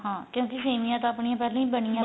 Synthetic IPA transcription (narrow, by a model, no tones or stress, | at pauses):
ɦãːkjõːkɪseːmijãːt̪oəpɳijãːpɛːlãːĩːbəɳijãː